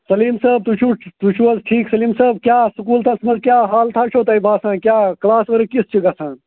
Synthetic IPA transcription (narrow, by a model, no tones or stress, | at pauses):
sɐliːmsɐb̚t̪ut͡ʃʰut̪ut͡ʃʰuɐzʈʰiːksɐliːmsɐb̚kjaːsukuːlt̪ʰɐsmɐzkjaːɦaːlt̪ʰat͡ʃʰoːt̪ɐibʱaːsãːkjaːklaːsʋɐɾɨkist͡ʃʰiɡɐsʰãː